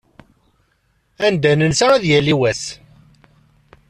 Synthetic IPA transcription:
ænd̪ænənsaɾæðjæliwæs

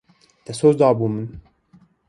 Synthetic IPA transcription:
d̪̥ɛsoːzd̪ɑːbuːmɨn

